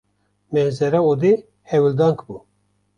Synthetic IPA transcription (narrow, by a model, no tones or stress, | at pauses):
mɛzɛɾaod̪i | hɛwild̪ɑŋkbu